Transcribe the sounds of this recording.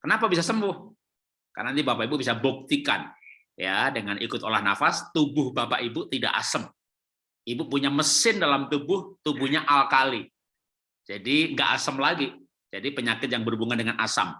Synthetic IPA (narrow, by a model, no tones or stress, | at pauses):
kənapabisasəmbʊh | ka̰rnant̪ibapaibubisabok̚t̪ika̰n | jadəŋanʔikʊt̪olahnafast̪ubʊhbapaʔibut̪ida̰ʔa̰səm | ibupuɲaməsɪndalamt̪ubʊht̪ubʊhɲaʔalkali | d͡ʒadiŋɡa̰ʔasəmlaɡi | d͡ʒadipəɲakɪt̪̚jaŋbərubuŋandəŋana̰sa̰m